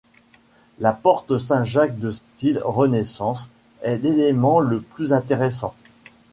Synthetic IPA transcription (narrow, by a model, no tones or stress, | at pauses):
lapɔʁt̪əs̬ɛ̃ʒak̚d̪əst̪ilʁənesɑ̃s | ɛlelemɑ̃ləplyzɛ̃t̪eʁesɑ̰̃